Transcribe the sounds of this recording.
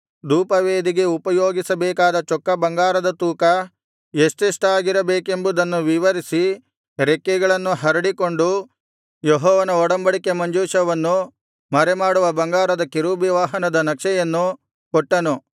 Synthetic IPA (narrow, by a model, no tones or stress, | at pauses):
d̪uːpɐʋeːd̪iɡe̞upɐjoːɡisɐbɛːkaːd̪ɐt͡ʃɔkːɐbɐŋɡaːɾɐd̪ɐt̪uːkɐ | jest̪iʂʈaːɡiɾɐbeːke̞mbud̪ɐnːuʋiʋɐɾisi | ɾekːɛɡɐɭɐnːuɦɐɾɐɽikoɳɖu | jɔɦɔːʋɐnɐɔɽɐmbɐɭikemɐɲd͡ʒuːʃɐʋɐnːu | mɐɾɛmaːɽuʋɐbɐŋɡaːɾɐd̪ɐkiɾubiʋaːɦɐnɐd̪ɐnɐkʂɛjɐnːu | kɔʈːɐnu